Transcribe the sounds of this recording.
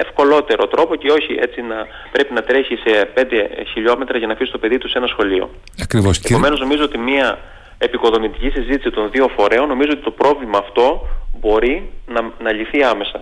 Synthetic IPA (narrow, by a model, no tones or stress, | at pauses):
e̞fko̞lo̞t̪e̞ɾo̞t̪ɾʔo̞po̞ceo̞çiʔe̞t͡sinɐ | pɾe̞pinɐt̪ɾe̞çise̞pe̞nd̪e̞çiʎo̞me̞t̪ɾɐʝɐnɐfisi̥t̪o̞pe̞ðit̪use̞nɐsxo̞lio̞̰ | ɐkɾivosepo̞me̞no̞zno̞mizoo̞t̪imiɐ | epiko̞ðo̞mit̪icisizit̪isit̪o̞nðio̞fo̞ɾe̞onːo̞mizoot̪it̪o̞pɾo̞vlimɐːft̪o̞bo̞ɾinɐnɐʎiθiɐme̞sɐ